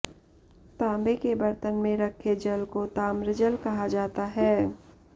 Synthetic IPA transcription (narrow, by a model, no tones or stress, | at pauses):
t̪ãːmbekebɐɾt̪ənmẽɾɐkʰed͡ʒɐlkot̪aːmɾɪd͡ʒəlkɐɦad͡ʒaːt̪aɦɛː